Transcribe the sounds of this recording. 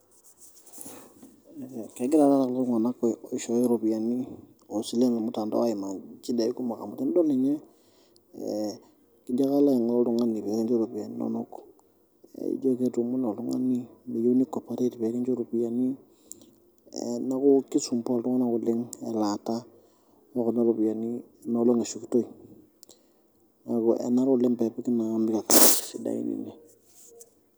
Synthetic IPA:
kɛ˨˦ɡɪ˦ɾa˨˦ɾa˦ta˨klo˦ŋa˨na˦kɔ˨ɔ˨˦ʃɔ˨˦i˦ɾo˨pi˨a˨ni˦ | o˨si˨le˦ma˨mʊ˦ta˨ndɔ̰˦a˦ɪ˨ma˨t͡ʃi˦da˨i˦ku˦ma˨ka̰˨mʊ˨ti˦n˦dɔ˦nɛ˨ɲɛ˦ | kɪ˦da˦ka˦la˦˨ŋ˨lɔ˦ltʊ˦ŋa˦ni˨pɛ˨˦ki˦nt͡ʃo˦ɾo˨pi˨a˨ni˦nɔ̰˦nʊ˦k | ḭ˦d͡ʒo˦ke˦tu˨mu˦nɔ˨ltʊ˦ŋa̰˦ni˦me˨jo˦ni˦ko˨pa˨ɾe˦ti˨pe˨˦ki˦nt͡ʃo˦ɾu˨pi˨ja˨ni˦ | ɛ̰˨na˦ku˦ki˦su˨mpo˦˨ltu˦ŋa˦na˦ku˨lɪ˦ŋɛ̰˨la˨ta˦ | wo˦ku˨na˦ɾu˨pi˨ja˨ni˦ | na˨˦lo˦ŋe˨su˨ki˨to˦i˨ | na˨ku˨ɛ̰˨na˦ɾʊ˨lɪ˦mpɛ˨pi˦ki˦naː˨˦mbi˦ka˨ka˨ssi˨da̰˨ḭ˨nḭ˨ne˨

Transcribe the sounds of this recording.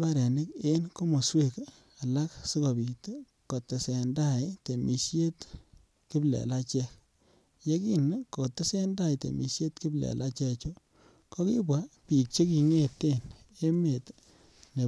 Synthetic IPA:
pa˦ɾe˨nɪ˦ke˦nko˦mo˨swe˦k | a˨la˦ksi˦ko˨bi˨to˦ | ko˨te˨sɛ˨nda˦jte˨mʔi˨ʃje˦t | ki˦blḛ˨la˦t͡ʃɛ˦k | je˦ki˦n˦ko˨te˦sɛ˦nda˦˨jtḛ˨mḭ˨ʃje˦tki˦blɛ̰˨lʔa˦t͡ʃɛ˦t͡ʃo˦ | ko˦ki˦bwa˦pi˨k̚t͡ʃe˦k̬i˨ŋe˦˨tːe˦n | e˦me˨tː | e˨

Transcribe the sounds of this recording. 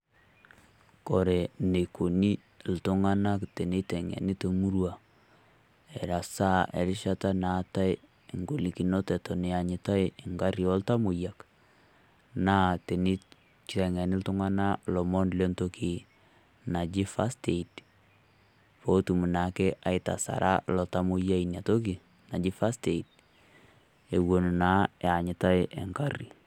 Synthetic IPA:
kɔ˨ɾɛ˨ne˨ko˨ni˦ | ltʊ˦ŋa˦na˦kte˨ni˦tɛ˨ŋɛ̰˨ni˦to˨mu˦ɾwa˨ | ɛ˨ɾa˨sa˦ḛ˨ɾɪ˦ʃa˦ta˦na˨˦ta˦ɪ˦˨ | ŋɡo˨li˨ki˨nɔ˦tɛ˨tɔ˨nɪ˨a˨ɲɪ˨ta˦jɪ˨ŋɡa˦ɾjɔ˦lta˦mʊ˨ja˨k | na˦te˨ni˦ | t͡ʃi˨ɾɛ˨ŋɛ˨nɪ˦ltʊ˦ŋa˦na˦lɔ˨mɔ˦nle˦nto˦kʰi˨ | na˨d͡ʒɪ˦fa˦ste˨it | po˦tu˨mu˨na˨ke˦a˨ɪta̰˨sa̰˨ɾʔa̰˦lɔ˨ta˦mʊ˦ja˦inja˨to˦ki˨ | na˨d͡ʒɪ˦fa˦ste˨i˨t̚ | e˨wo˨nu˨na˦ja˨ɲɪ˨ta˦ɪʔɛ̰˨ŋka˦ri˨

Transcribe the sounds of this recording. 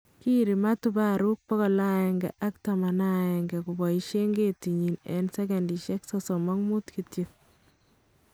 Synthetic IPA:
ki˦ɾi˨ma˦tu˦ba˦ɾu˦k̚pɔ˦ɣɔ˨la˦ɛ˨ŋɡɛ̰˨ʔa˦kta˨ma˨na˦ɛ˨ŋɡɛ˨kubɔ˨iʃe˦ŋɡeti˨ɲi˨nɛ̰nsɛ˦ka˨ndi˨ʃɛ˦ksɔsɔ˨mɔ˦ŋmu˦tkitjit

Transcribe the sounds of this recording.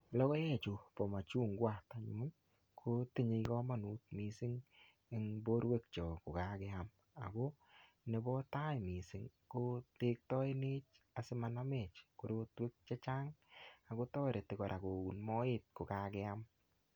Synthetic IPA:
lɔ˦kɔ˦jɛ˦t͡ʃo˨pɔ˨ma˨t͡ʃu˦˨ŋɡwa˦˨ta˨ɲṵ˦n | kʰo˦te˦ɲe˧ikɔ˦ma˨nu˨˦t̚mi˨sɪ˦ŋ | e˦ŋbo˦ɾwe˦k̚t͡ʃɔ˨kʊ˨ka˦kɛ˦a˦m | a̰˨ɡo˦ | ne˨˦bɔ˦ta˦jmi˨sɪ˦ŋko˦te˦k̚tɔ˦e˦nɪ˦t͡ʃ | a˨sɪ˦ma˨na˦me˨t͡ʃko˨ɾo˦twe˦k̚t͡ʃe˦t͡ʃa˦ŋa˨ko˦tɔː˦ɾe˨tɪ˨kɔ˨ɾʔa˨ko˨ɡu˨nmɔ˦ɪ˦t̚ko˨ka˨kɛ˦a˦m

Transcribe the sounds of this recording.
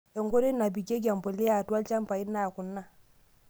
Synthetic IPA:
e˨ŋɡo˦ɾe˦na˨bi˨ɡe˦ɡa˨mbo˨li˦a˨twa˦lt͡ʃa˦mpa˨i˦nːa˦˨ku˨nːa˦

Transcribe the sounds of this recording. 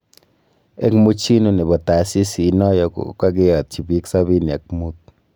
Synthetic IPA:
e˦kmu˦t͡ʃi˦nu˦ni˨bɔ˨ta˨si˦siː˨˦nɔ˦jɔ˦kṵka˦k̬e˦jɔ˨t̪̚t͡ʃi˨bi˦ksa˦βi˦nja˨k̚mu˦t̚

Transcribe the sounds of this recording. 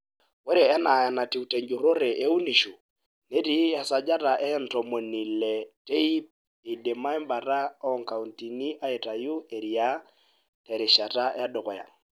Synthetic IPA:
we˦ɾe˨ɛ˦na˨ja˨na˨ti˨u˨te˨ɲd͡ʒu˨ɾo˦ɾe˨ʔe˦u˦ni˨ʃu˨ | ne˦ɾi˦a˨sa˨d͡ʒa˦ta˨ʔɛ˦n̩˨tɔ˨mo˨ni˨lɛte˦i˦p̚ | i˨de˨ma˦jmba˨ra˦ɔ˦ŋka˨u˨nti˨ni˦ʔa˦e˨ta˨ju˦e˨ɾia˦ | tɛ˨ɾɪ˨ʃa˨ta˦a˦dʊ˨kɔ˨ja̰˨ŋ

